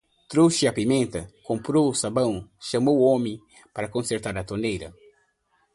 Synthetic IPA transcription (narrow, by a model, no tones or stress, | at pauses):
t̪ɾowʃɪɐpimẽnt̪ɐkõmpɾousabɐ̃w̃ʃɐmoomẽ | paɾɐkõnseɾt̪aɾɐt̪onejɾɐ̰